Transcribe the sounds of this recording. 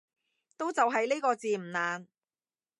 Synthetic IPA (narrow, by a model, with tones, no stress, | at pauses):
t̪o˥wt͡sɐ˨wɦɐ˨jleː˥kɔː˧t͡siː˨m̩˨˩naː˨n